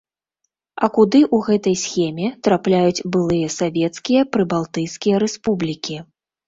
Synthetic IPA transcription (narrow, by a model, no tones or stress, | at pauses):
ɐkud̪ɨʔuɣɛt̪ɐjsʲxʲɛmʲɛt̪ɾaplʲajut͡sʲbɨlˠɨjɐsavʲɛt̪skʲijɐpɾɨbalˠt̪ɨjskʲijɐɾɛspublʲikʲi